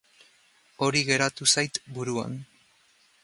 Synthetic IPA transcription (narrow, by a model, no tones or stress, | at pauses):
o̞ɾiɣe̞ɾat̪usajt̪buɾua̰n